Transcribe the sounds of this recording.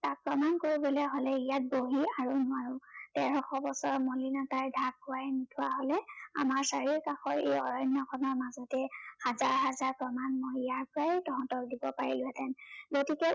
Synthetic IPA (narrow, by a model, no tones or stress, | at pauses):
tak̚pɹɔmankoɹibɔlɛɦolɛijat̚boɦiaɹunʊaɹutɛɹɔxʰɔbɔsɔɹmɔlinataɹdʱaɡ̚ːʊwajnitʰʊwaɦolɛa̰maɹsaɹiɹkaxɔɹḛjɔɹɔjnːɔkʰɔnɔɹmazɔtɛhazaɹɦazaɹpɹɔmanmɔjijaɹkuɹajɛtɔɦɔ̃ntɔkdibɔpaɹilʊɛtɛnɡotikɛ